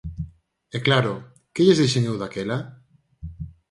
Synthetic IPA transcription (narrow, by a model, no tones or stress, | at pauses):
ɛklaɾoʊ | keʎezðiʃeɲewðakela